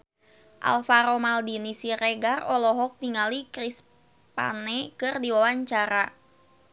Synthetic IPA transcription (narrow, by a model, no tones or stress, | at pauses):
ʔa̰lfaɾomaldinisireɡarɔlɔɦɔk̚t̪iŋalikris | pa̰nɛkɨrdiwawaɲt͡ʃaɾa